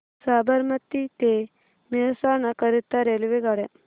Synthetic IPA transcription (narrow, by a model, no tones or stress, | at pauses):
saːbəɾmət̪it̪e | mesanakəɾit̪ːaɾelʋeɡaɽe